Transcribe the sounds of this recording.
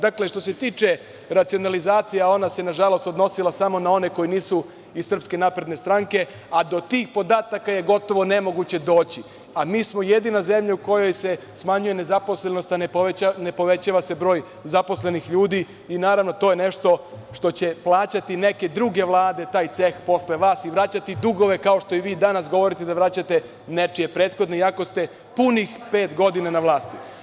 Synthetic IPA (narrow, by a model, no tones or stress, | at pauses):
d̪akle̞ʃt̪o̞set̪iːt͡ʃe̞ | ɾat̪sio̞nalizaːt̪sijaao̞nase̞naʒalˠo̞st̪o̞d̪no̞silˠasamo̞nao̞ne̞ko̞jiniːsu | izssr̩pske̞naːpɾe̞d̪ne̞st̪ɾaŋke̞ | ad̪o̞t̪iːxpo̞d̪aːt̪akaje̞ɡo̞t̪o̞ʋo̞ne̞mo̞ɡut͡ɕe̞d̪o̞ːt͡ɕi | amiːsmo̞je̞d̪inaze̞mʎauko̞jo̞jse̞ | smaɲujene̞zapo̞sle̞no̞st̪aneoeanepo̞ʋe̞t͡ɕaʋase̞bɾo̞ːj | zapo̞sle̞nixʎuːd̪i | inaːɾaʋno̞t̪o̞ːjene̞ʃt̪o̞ʃt̪o̞t͡ɕe̞plˠaːt͡ɕat̪ine̞ke̞d̪ɾuːɡe̞ʋlˠaːd̪e̞t̪aːjt̪se̞xpo̞sle̞ʋaːsiʋɾat͡ɕat̪id̪uɡo̞ʋe̞kao̞ʃt̪o̞iʋiːd̪anasɡo̞ʋo̞ɾit̪ed̪aʋɾat͡ɕat̪e | ne̞t͡ʂije̞pɾe̞ːt̪xo̞d̪noiako̞st̪e̞ | punixpe̞ːt̪ɡo̞d̪inanaʋlˠaːst̪i